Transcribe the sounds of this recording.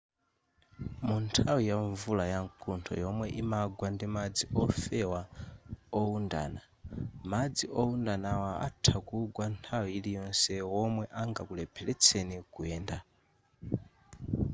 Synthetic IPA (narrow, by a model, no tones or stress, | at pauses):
muntʰawijaɱvulajaŋkʰuntʰɔ̰jɔmwɛʔimaɡwandimad͡ziʔɔfɛwa | ɔunda̰ːna | mad͡ziʔɔundanawaa̰tʰakuɡwantʰawiilijɔnsɛwɔmwɛʔaŋɡakulɛpʰɛlɛt͡sʰɛnikuɛːnda